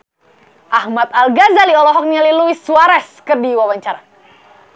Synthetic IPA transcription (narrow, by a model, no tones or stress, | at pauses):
ʔahmat̪alɡazaliɔlɔɦɔk̚ɲaliluisuaɾɛskərdiwawaɲt͡ʃaɾa